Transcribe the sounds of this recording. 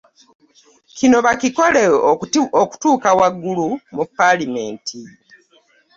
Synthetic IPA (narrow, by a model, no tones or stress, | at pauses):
kʰino̞βakiko̞leoku̥tuːkawaɡːulumupːalimeːntʰi